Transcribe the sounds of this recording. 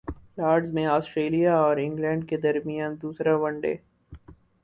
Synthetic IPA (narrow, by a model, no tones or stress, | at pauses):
laːɾɖzmẽaːsʈɾeːlijaɔːɾɪ̃ŋɡlɛ̃ːɳɖ̚ked̪ɐɾmijaːnd̪uːsɾaʋɐ̃ɳɖḛː